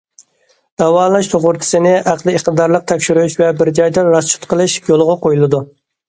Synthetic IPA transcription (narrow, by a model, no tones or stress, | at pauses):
d̪̥ɛwɑːlˠɑʃt̪ʰoʁʊɾt̪ʲʰɪ̥sɪnɪʔæqlˠɨiχt̪ɨd̪ɑɾlˠəq̚t̪ʰɛkʲʃyɾuʃvɛbɪɾd͡ʒɑjd̪ɑɾɑst͡ʃu̥t̪qəlˠɨʃjolˠʁɑqʰojulˠɨd̪u